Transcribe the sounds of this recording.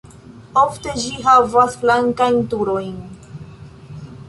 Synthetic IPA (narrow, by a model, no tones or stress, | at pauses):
o̞fte̞d͡ʒiɦavasflaŋkajntuɾo̞jn